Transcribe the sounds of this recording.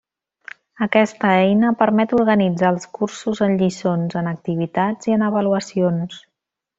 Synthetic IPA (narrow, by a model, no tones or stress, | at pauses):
əkɛst̪əɛjnəpəɾmɛt̪uɾɣənid͡zaəlˠskursuzənʎisonzənək̚t̪iβ̞it̪ad͡ziənəβəluəsions